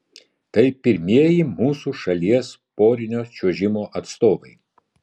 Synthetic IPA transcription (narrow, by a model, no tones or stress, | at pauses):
t̪ɐɪpʲɪɾʲmʲiɛjimuːsuːʃɐlʲiɛspoːɾʲɪnʲoːt͡ʃʲuʒʲɪmoːʔɐt̪st̪oːʋɐɪ